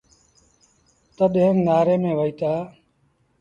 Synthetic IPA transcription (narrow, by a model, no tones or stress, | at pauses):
t̪əɗɦẽnnaːɾeːmẽːʋəiːt̪aː